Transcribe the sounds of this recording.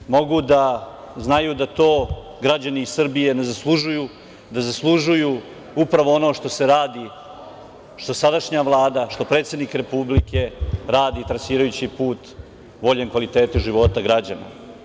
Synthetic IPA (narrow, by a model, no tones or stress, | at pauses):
mo̞ɡud̪a | znajud̪at̪o̞ː | ɡɾad͡ʑaniːsr̩bije̞ne̞zaslˠuʒuju | d̪azaslˠuʒuju | upɾaʋo̞ono̞ʂt̪o̞seɾaːd̪i | ʃt̪o̞sad̪aʃɲaʋlˠaːd̪aʃt̪o̞pɾe̞ːt̪se̞d̪nikɾe̞publike̞ɾaːd̪it̪ɾasiːɾajut͡ɕipuːt̪ | ʋo̞ʎenkʋalit̪e̞ːt̪uʒiʋo̞t̪aɡɾad͡ʑa̰na̰